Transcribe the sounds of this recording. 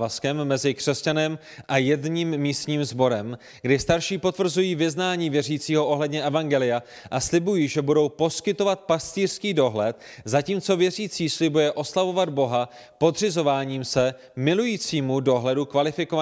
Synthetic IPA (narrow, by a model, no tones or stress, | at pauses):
vaskɛmːɛzɪkr̥ɛscanɛm | ʔajɛdɲiːmːiːst̪ɲiːmzbo̞ɾɛm | ɡdɪst̪aɾʃiːpo̞t̪vr̩zujiːvɪznaːɲiːvjɛr̝iːt͡siːɦo̞ʔo̞ɦlɛdɲɛʔɛvaŋɡɛlɪja | ʔaslɪbujiːʒɛbudo̞wpo̞skɪt̪o̞vat̪̚past̪iːr̥skiːdo̞ɦlɛt̪ | zaciːmt͡so̞vjɛriːt͡siːslɪbujɛʔo̞slavo̞vad̪bo̞ɦa | po̞d̪r̝ɪzo̞vaːɲiːmsɛ | mɪlujiːt͡siːmudo̞ɦlɛdukvalɪfɪkova